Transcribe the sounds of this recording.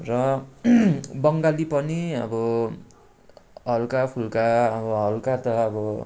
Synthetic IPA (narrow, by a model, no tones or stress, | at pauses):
rʌ | bʌŋɡalipʌniʌ̰bʌ | ɦʌlkapʰulkaʌbʌɦʌlkat̪ʌʌbʌ